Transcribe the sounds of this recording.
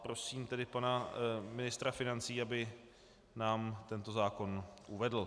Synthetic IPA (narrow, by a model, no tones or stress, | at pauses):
pɾo̞siːmt̪ɛdɪpanamɪnɪst̪ɾafɪnant͡siːabɪ | naːmt̪ɛnt̪o̞zaːko̞nʔuvɛdl̩